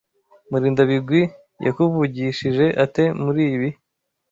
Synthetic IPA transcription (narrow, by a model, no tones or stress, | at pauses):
muɾiːndaβiɡwi | jʔa̰kuvuɟiʃiʒe̞ʔate̞muɾiːβi